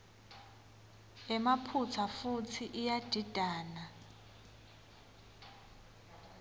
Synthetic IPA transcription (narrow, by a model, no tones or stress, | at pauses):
ɛmapʰut͡sʰafutʰiʔijad̥ʱid̥ʱaːna